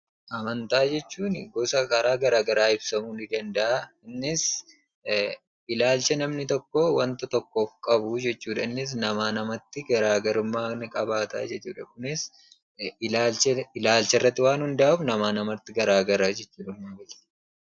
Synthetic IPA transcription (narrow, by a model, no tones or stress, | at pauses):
ʔɐmɐnt̪aːd͡ʒɛt͡ʃːuːnɪɡɔsɐkɐɾaːɡɐɾaːɡɐɾaːɪbsɐmuːnɪd̪ɐnd̪ɐʔaɪnːɪs | ɪlaːlt͡ʃɛnɐmnɪt̪ɔkːowɐnt̪ɐt̪ɔkːofkʼɐbud͡ʒɛt͡ʃːuːᶑɐnːɪs̬nɐmaːnɐmɐt̪ːɪɡɐɾaːɡɐɾʊmːaːnɪkʼɐbaːt̪a̰ːd͡ʒɛt͡ʃːuːᶑɐkʊnɪs | laːlt͡ʃɛɪlaːlt͡ʃɛrːɐt̪ːɪwaːnhʊnd̪ɐʔauːfnɐmaːnɐmɐt̪ːɪɡɐɾaːɡɐɾaːd͡ʒɛt͡ʃːuːᶑɐmːaːɡɐlt̪